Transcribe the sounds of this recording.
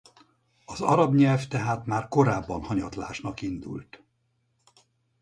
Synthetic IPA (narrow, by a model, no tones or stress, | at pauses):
ɒzɒɾɒbɲɛlft̪ɛɦaːt̪maːrko̞ɾaːbːɒnhɒɲɒt̪la̰ːʃnɒkind̪ṵlt̪